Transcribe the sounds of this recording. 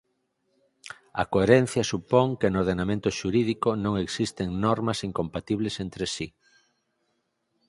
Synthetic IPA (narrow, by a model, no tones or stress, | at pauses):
ɐ̰koeɾen̟θjɐsupoŋkenoɾðenamẽnt̪ʊʃuɾiðikonõŋeksist̪eŋnɔɾmɐsiŋkompat̪iβ̞lesent̪ɾesi